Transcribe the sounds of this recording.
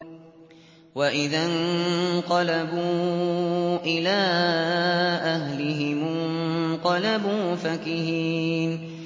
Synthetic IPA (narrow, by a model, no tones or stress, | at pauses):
waʔɪðanqɑlabuː | ʔɪlaː | ʔaɦlɪɦɪmʊnqɑlabuːfakɪhiːn